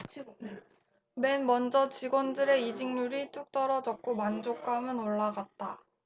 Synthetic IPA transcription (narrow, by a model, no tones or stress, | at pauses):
me̞nmʌnd͡ʑʌt͡ɕiɡwʌndɯɾe̞id͡ʑiŋɲuɾit͈uk̚t͈ʌɾʌd͡ʑʌk̚k͈omand͡ʑok͈amɯnoɭːaɡat̚t͈a